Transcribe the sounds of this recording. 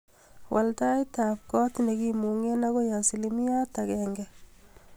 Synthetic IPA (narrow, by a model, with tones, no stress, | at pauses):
wʔalta˦jtap̚kɔ˦tne˨ɡi˦mu˨ŋe˦naɣo˦jansi˨limi˦ja˦takɛŋɡɛ